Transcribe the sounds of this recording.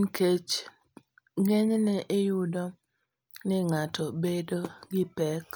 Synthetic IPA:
nket͡ʃ | ŋɛɲnɛʔejʊdɔ | nɪŋatʰɔbedoɡɪpɛk

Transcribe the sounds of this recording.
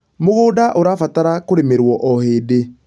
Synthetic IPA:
moɣoːdaʔoɾaːfataɾakoɾemeɾwɔʔɔheːde

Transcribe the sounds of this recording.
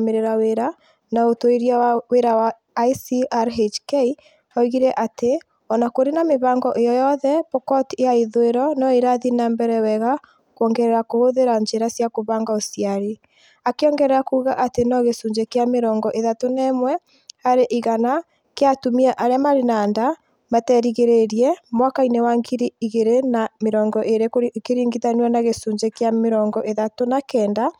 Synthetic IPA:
meɾeɾaweɾa | naotoiɾiaaweɾawa | isiaɾɦet͡ʃkei | ɔiɣiɾɛʔate | ɔnakoɾenameβaːŋɡɔʔejɔjɔðɛpɔkɔtijaiðoeɾɔnɔiɾaðinaːmbɛɾɛwɛɣa | kwɔŋɡɛɾɛɾakohoðeɾaɲd͡ʒeɾasjakoβaːŋɡaosiaɾe | akeɔːŋɡɛɾɛɾakuːɣaʔatenɔɣesuɲd͡ʒekeameɾɔːŋɡɔʔeðatonɛmwɛ | haɾeʔiɣana | keatumiɛʔaɾeamaɾenaːnda | matɛɾiɣeɾeɾiɛmwakainewaŋɡiɾiiɣeɾenameɾɔːŋɡɔʔeɾekeɾiːŋɡiðanianaɣesuːɲd͡ʒekeameɾɔːŋɡɔʔeðatonakɛːnda

